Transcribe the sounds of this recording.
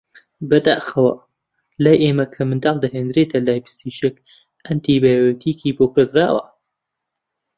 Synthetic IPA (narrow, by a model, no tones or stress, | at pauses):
bɐd̪a̰ːxɐwɐ̰ | laːjʔeːmɐkʰɐmɨnd̪aːlˠd̪ɐɦeːnd̪ɾet̪ʰɐlaːjpʰɨ̥siʃek | ɐnt̪ibaːjot̪ʰiːkʰiːboːkɨɾd̪ɾaːwɐ̰